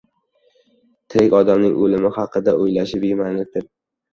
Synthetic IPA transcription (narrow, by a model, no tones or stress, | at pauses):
t̪ʰɪɾɪkʲɒd̪amnɪŋʔolɪmɪhɑqʰɨd̪aʔojlaʃɪbemanlɪk̚ʲd̪ɪɾ